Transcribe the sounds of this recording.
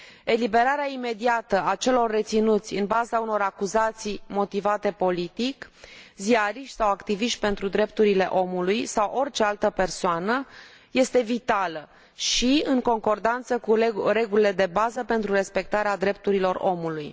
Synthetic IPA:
e̞libe̞ɾaɾeaime̞d̪iat̪əat͡ʃe̞lo̞rːe̞t̪sinut̪sʲɨnbazauno̞ɾakuzat̪sijmo̞t̪ivat̪e̞po̞lit̪ikziaɾiʃt̪sawakt̪iviʃt̪̚ʲpe̞nt̪ɾud̪ɾe̞p̚t̪uɾile̞ʔo̞mulujsawʔo̞rt͡ʃe̞alt̪əpe̞rsoanə | je̞st̪e̞vit̪alə | ʃiɨŋko̞ŋko̞rd̪ant̪səkuɾe̞ɡulile̞d̪e̞bazəpe̞nt̪ɾuɾe̞spe̞k̚t̪aɾead̪ɾe̞p̚t̪uɾilo̞ro̞̰muluj

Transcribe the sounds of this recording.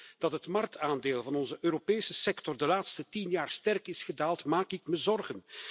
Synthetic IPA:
d̥ɑtɦətmɑrk̚taːndeːlˠvɑnɔnzəʔøːɾopeːsəsɛktɔrdəlaːtstətinjaːrstɛrkɪsχədaːlˠtmaːkɪk̚məzɔrɣən

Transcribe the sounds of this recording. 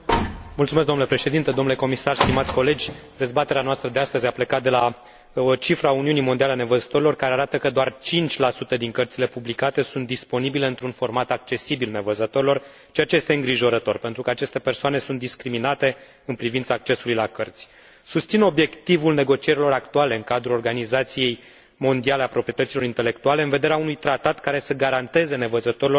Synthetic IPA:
mult̪sumes̬ɡd̪omnulepɾeʃe̞d̪int̪ed̪o̞mnule̞komisarst̪imat̪sʲko̞le̞d͡ʒʲd̪e̞zbat̪eɾeanoast̪ɾəd̪east̪əzʲaplekat̪̚d̪e̞la | t͡ʃifɾauniunimond̪ialeane̞vəzət̪o̞ɾilo̞rkaɾeaɾat̪əkəd̪oart͡ʃint͡ʃʲlasut̪əd̪iŋkərt̪sile̞publikat̪e̞sunt̪̚d̪ispo̞nibile̞ɨnt̪ɾunfo̞rmat̪ak̚t͡ʃe̞sibilne̞vəzət̪o̞ɾilo̞r | t͡ʃeat͡ʃejest̪eɨŋɡɾiʒo̞ɾət̪o̞rpe̞nt̪ɾukəat͡ʃe̞st̪e̞pe̞rsoane̞sunt̪d̪iskɾiminat̪e̞ | ɨnpɾivint̪saːk̚t͡ʃe̞sulujlakərt̪sʲ | sust̪sino̞bje̞kt̪ivulne̞ɡo̞t͡ʃie̞ɾilo̞ɾakt̪uale̞ɨŋkad̪ɾulo̞rɡanizat̪sije̞j | mo̞nd̪iale̞apɾopɾiet̪ət̪silo̞ɾint̪e̞le̞kt̪uale̞ɨnve̞d̪e̞ɾeaunujt̪ɾat̪at̪kaɾe̞səɡaɾant̪e̞ze̞ne̞vəzət̪o̞ɾilor

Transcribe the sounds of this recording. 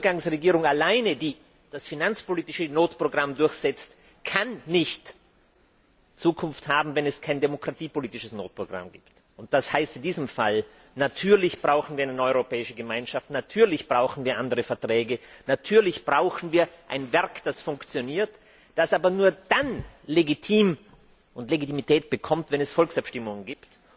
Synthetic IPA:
ɡaŋsʁeɡiːʁʊŋalaɪnədiː | d̥asfinant͡spoliːtɪʃənoːtpʁ̥oɡʁamdʊɐçz̥ɛt͡st | kʰanːɪçt | t͡suːkʰʊnfthaːbm̩vɛnɛskʰaɪndemokʁ̥atiːpoliːtɪʃəsno̰ːt̚pʁ̥oɡ̥ʁa̰mɡḭːpt | ʊnt̚d̥ashaɪstɪndiːzəmfal | natʰyːɐlɪçb̥ʁaʊxn̩viːɐanənɔʏʁopɛːɪʃəɡəmaɪnʃaftnatʰyːɐlɪçb̥ʁaʊxn̩viːɐʔandəʁəfɛɐtʁ̥ɛːɡənatʰyːɐlɪçb̥ʁaʊxn̩viːɐʔa̰ɪnvɛɐkd̥asfʊŋkt͡sjoniːɐt | d̥asʔaːbɐnuːɐd̥anleɡitʰiːm | ʔʊntleɡitimitʰɛːt̚b̥əkʰɔmtvɛnɛsfɔlksapʃtɪmʊŋənɡiːpt

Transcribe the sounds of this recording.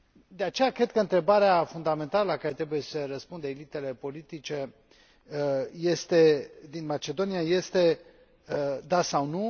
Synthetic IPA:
d̪e̞at͡ʃe̞jakɾe̞d̪̚kəɨnt̪ɾe̞baɾeafund̪ame̞nt̪aləlakaɾe̞t̪ɾe̞buje̞sərəspund̪əelit̪e̞le̞po̞lit̪it͡ʃe̞ | je̞st̪e̞d̪inmat͡ʃe̞d̪o̞nijaje̞st̪e̞ | d̪asawnu

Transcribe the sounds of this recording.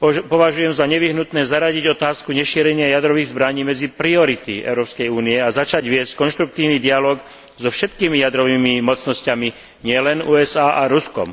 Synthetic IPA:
pɔʋaʒujɛmzaɲɛʋiɦnut̪nɛːzaɾaɟiɟɔt̪aːskuɲɛʃiːɾɛɲɪajad̪ɾɔʋiːɣzbɾaɲiːmɛd͡zipɾiɔɾit̪iɛ̰ʊɾɔːpskɛjuːniɛazat͡ʃaɟʋɪɛsckɔnʃt̪ɾuk̚t̪iːʊnid̪ialɔːɡ | zɔfʃɛt̪kiːmijad̪ɾɔʋiːmimɔt͡snɔscami | ɲɪɛlɛnuːɛzaːʔaɾuskɔ̰m

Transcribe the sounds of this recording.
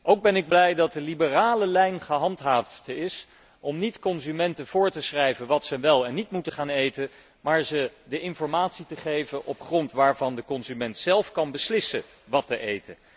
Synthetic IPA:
ʔowɡ̚bɛnɪɡ̚blɛjdɑt̚dəlibəraːləlɛjnχəɦɑntɦaːftɪs | ʔɔmnitkɔnzymɛntəv̥ʊːɹtəsχrɛjvənʋɑtsəʋɛlˠɛnːitmutəχaːnejtə | maːɹzədəʔɪnfɔɹmaːtsitəχejvənʔɔpχrɔntʋaːɹvɑndəkɔnzymɛntsɛlˠfkɑnbəslɪsə | ʋɑtəʔejtə

